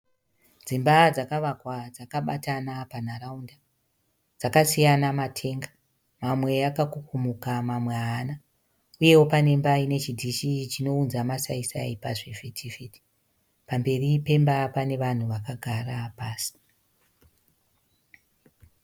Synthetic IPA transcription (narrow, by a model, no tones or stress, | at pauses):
d͡zimbad͡zakaʋakwad͡zakaɓa̰tanapanaraunda | d͡zakasijanamatʰe̞ŋɡa | mamwe̞jakakukumukamamweana | uje̞wopane̞mbaine̞t͡ʃidʱiʃit͡ʃino̞unzamasaisa̰ipaʐefetʰifiti̥ | pambe̞ripe̞mbapane̞ʋan̤uʋakaɡʱarapaːsi̥